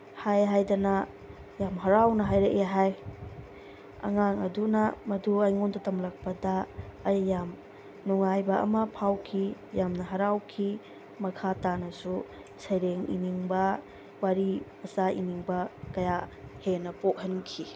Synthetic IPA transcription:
hajɦajdɐnɐ | jamɦɐɾawnɐɦajɾeʔeɦaj | ɐ̰ŋaŋɐ̰dunɐmɐduajŋontɐtɐmlɐk̚pɐdɐːjːam | nuŋajbɐɐ̰mɐpʰawkʰijamnɐɦɐɾawkʰi | mɐkʰatanɐsu | sɐjɾeŋḭniŋbɐ | waɾimɐsaʔḭniŋbɐkɐjahenɐpok̚ɦɐnkʰi

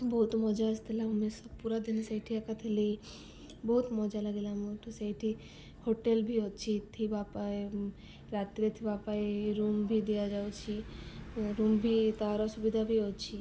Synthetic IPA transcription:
bɔɦut̪mɔd͡ʒaəst̪ʰilaumesɔpuɾad̪insajʈʰiɛkʰat̪ʰele | bɔɦut̪mɔd͡ʒalaɡelamoʈʰosajʈʰi | hoʈelbʱiɔt͡ʃʰit̪ʰibapae | ɾat̪iɾet̪ʰibapaeɾumbʱid̪ijad͡ʒawt͡ʃʰi | ɾumbʱit̪aɾɔsubid̪ʱabʱiɔt͡ʃʰi

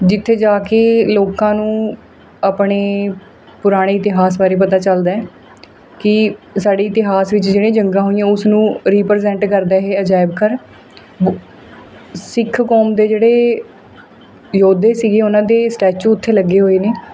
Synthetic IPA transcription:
d͡ʒɪt̪ʰːeːd͡ʒaːkeːloːkãːnũː | aːpɽeː | pʊɾaːɽ̃eːɪt̪ɪɦaːs̬baːɾeːp̬ət̪aːt͡ʃəld̪aːɛː | kɪsaːɖeːɪt̪ɪɦaːsʋɪt͡ʃd͡ʒeːɽ̃ẽːd͡ʒəŋɡãːɦoːijãːʊsnũːɾiːpəɾzɛ̃ːɳʈkəɾd̪ɛːɦeːəd͡ʒaːɪbkʰəɾ | sɪkʰkɔːmd̪eːd͡ʒeːɽeː | joːd̪eːsiɡeːʊnãːd̪eːsʈɛːt͡ʃuːʊt̪ʰːeːləɡːeːɦoːeːneː

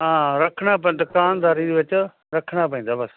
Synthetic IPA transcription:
ɦãːɾɐkʰɽ̃aːp̬ɐ̃nd̪kaːnd̪aːɾidiːʋɪt͡ʃ | ɾɐkʰɽ̃aːpɐĩːnd̪aːbɐs

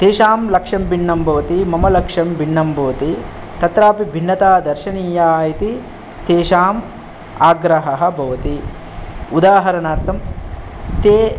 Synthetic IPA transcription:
t̪eːʃaːmlɐkʂɐmbʱiɳːɐmbʱɐʋɐt̪imɐmɐlɐkʂɐmbʱiɳːɐmbʱɐʋɐt̪i | t̪ɐt̪ɾaːpibʱinːɐt̪aːd̪ɐɾʃɐniːjaːjit̪i | t̪eːʃaːm | aːɡɾɐɦɐɦɐ̆bʱɐʋɐt̪i | ud̪aːɦɐɾɐnaːɾt̪ʰɐm | t̪eː

